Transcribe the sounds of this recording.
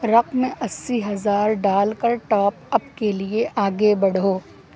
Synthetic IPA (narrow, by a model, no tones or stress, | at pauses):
ɾɐqmẽʔɐsːiɦɐzaːɾɖaːlkɐɾʈɔːpɐbkelieʔaːɡebɐɽ̤oː